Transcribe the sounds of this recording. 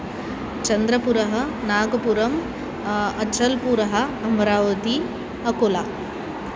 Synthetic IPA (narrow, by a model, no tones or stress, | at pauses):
t͡ʃɐnd̪ɾɐpuɾɐɦɐ̆naːɡɐpuɾɐm | ɐt͡ʃɐlpuɾɐɦɐɐmɐɾaːʋɐt̪i | ɐkolaː